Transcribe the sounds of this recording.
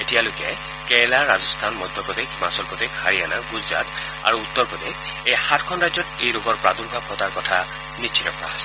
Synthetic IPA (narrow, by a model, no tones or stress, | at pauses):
etijalokɛ | kɛlaɹazɔst̪ʰanmɔd̪ʱjɔpɔd̪ekʰmasɔlpɔd̪ekhaɹianaɡuza̰t̪ | a̰ɹuut̪ːɔɹpɔd̪ek | ejxatkʰɔnɹazɔtejɹoɡɔɹpɹad̪ulbʱab̚kʰɔt̪aɹkɔtʰa | niʃʰitɔpɔɹa̰ɦɔjsɛ̥